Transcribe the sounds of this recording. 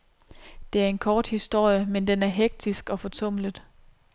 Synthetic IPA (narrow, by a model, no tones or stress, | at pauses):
d̥e̝æɐe̝nkʰɒːd̥hisd̥o̝ɐ̰jəmend̥enæɐɦeɡ̥̚d̥isɡ̥ɒ̽fɒ̽t͡sʰɔ̽m̰lə̥